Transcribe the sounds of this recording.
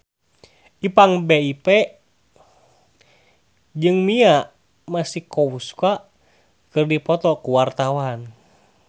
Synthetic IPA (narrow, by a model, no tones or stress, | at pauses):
ipaŋbeipɛ | d͡ʒɨŋmia | masihkɔuskaʔ | kɨrdipɔt̪ɔkuwart̪awan